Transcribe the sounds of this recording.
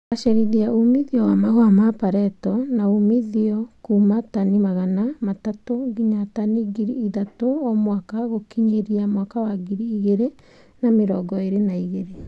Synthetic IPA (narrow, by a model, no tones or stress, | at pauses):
aʃɛɾeðiaumiðiɔwamaɣwamapaɾɛtɔnaumiðiɔkuːmatanimaɣanamatatoɡiɲataniɡiɾiːðatoɔmwakaɣokiɲeɾiamwakawaɡiɾiːɣeɾe | nameɾɔɡɔeɾenaiɣeɾe